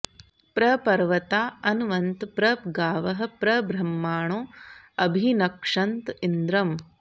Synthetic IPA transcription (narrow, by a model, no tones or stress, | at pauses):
pɾɐpɐɾʋɐt̪aːɐnʋɐnt̪pɾɐpɡaːʋɐɦɐ̆pɾɐbɾɐmːaːɳoːɐbʱinɐkʂɐnt̪ind̪ɾɐm